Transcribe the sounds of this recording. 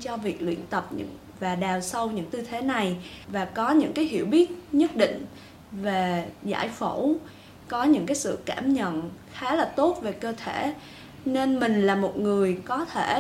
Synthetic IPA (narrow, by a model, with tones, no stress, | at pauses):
t͡ɕɔ˧vi˨˩ək̚lwḭ˧˨ənt̪ə˨˩p̚ɲɨ̰˧˥ŋ | vaː˨˩ɗaː˨˩wsə˧wɲɨ̰˧˥ŋt̪ɨ˧t̪ʰe˨˦na˨˩jvaː˨˩kɔ˨˦ɲɨ̰˧˥ŋkaː˨˦jɦi˧˩əwɓi˦˥ət̚ɲə˦˥t̚ɗḭ̈˧˨ŋ̟ | ve˨˩za̰ː˧˩jfo˧˩w | kɔ˨˦ɲɨ̰˧˥ŋkaː˨˦jsɨ̰˧˨kaː˧˩mɲə̰˧˨nxaː˨˦laː˨˩t̪o˦˥t̚ve˨˩kəː˧t̪ʰe˧˩ | ne˧nmï˨˩ŋ̟laː˨˩mo˨˩t̚ŋɨ˨˩əjkɔ˨˦t̪ʰe˧˩